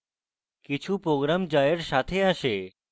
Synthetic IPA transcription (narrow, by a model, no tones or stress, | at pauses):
kɪt͡ʃʰupɾoɡɾamd͡ʒajəɾʃat̪ʰeaʃe